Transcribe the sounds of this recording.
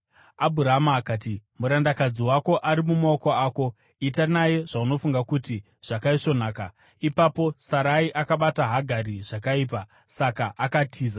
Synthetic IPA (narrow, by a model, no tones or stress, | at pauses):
abʱuɾaɦamaːkaːtimuɾandakad͡ziwako̞ʔaɾimumaoko̞aːko̞ | itanaje̞ʐ̥auno̞fuŋɡakuti | ʐ̥akaiʂo̞naːka | ipapo̞saɾaiʔakaɓataɦaɡʱariʐ̥akaiːp̬a | sakaʔakatʰiːza